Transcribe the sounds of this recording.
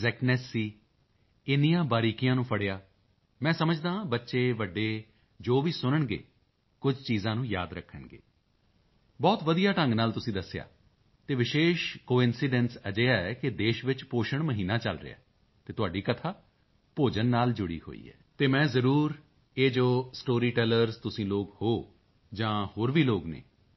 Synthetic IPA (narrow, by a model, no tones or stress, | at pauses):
zɛːknɛːsːiː | ɪnijãːbaːɾiːkijãːnũːpʰəɽeːaː | mɛ̃ːsəməd͡ʒd̪ãːbətːʃeːʋəɖːeː | d͡ʒoːʋiːsʊnəɳɡḛː | kʊd͡ʒt͡ʃiːzãːnũːja̰ːd̪ɾəkʰːəɳɡḛː | bɔːt̪ʋəd̪ijaːʈə̃ŋɡnaːlt̪ʊsĩːd̪əsːeja̰ː | t̪eːʋɪʃeːʃkoːɪnsɪɖɛ̃ːnsəd͡ʒeːaːɛːkɪd̪eːʃʋɪt͡ʃpoːʃəɳməɦiːnaːt͡ʃəlɾɪ̰a̰ː | t̪eːt̪ʊaːɖiːkət̪ʰaː | poːd͡ʒənːaːld͡ʒʊɽḭːho̰ːḭːɦɛ̰ːt̪eːmɛ̃ːzəɾuːɾ | eːd͡ʒoːsʈoːɾiːʈɛːləɾzt̪ʊsĩːloːkhoː | d͡ʒãːhoːɾʋiːloːɡnḛː